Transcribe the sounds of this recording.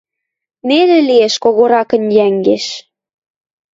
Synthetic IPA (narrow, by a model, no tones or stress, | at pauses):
nelelieʃkoɣoɾɑkə̆njæŋɡeʃ